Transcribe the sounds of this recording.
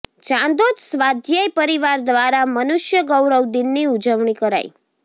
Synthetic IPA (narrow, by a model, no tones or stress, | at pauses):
t͡ʃãnd̪od̪sʋad̪ʱjəjpəɾiʋaɾd̪ʋaɾamənuʃjəɡəwɾəʋd̪inːiud͡ʒəʋɳ̃ikəɾa̰j̰